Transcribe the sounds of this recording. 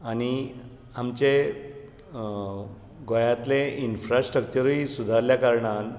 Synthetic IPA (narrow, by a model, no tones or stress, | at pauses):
añi | amt͡ɕe | ɡojat̪leinfɾasʈɾək̚t͡ɕəɾisud̪ʱaɾljakaɾɳan